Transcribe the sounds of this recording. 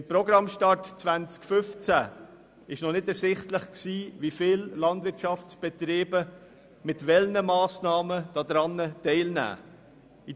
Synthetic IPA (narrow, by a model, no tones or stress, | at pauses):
ɪmpɾɔɡɾɑmʃtɑɹtt͡sʋænt͡skfʏft͡sæ | ɪʃnɔnɪdɛɾsɪχtləχksiːʋifɪːllɑndvɪɾtʃɑft͡sb̥ɛt̪ɾeːbə | mɪtvɛlnəmɑːsnɑːməd̥ɑːd̥̪ɾɑnːətɛɪlnæ̰ː | i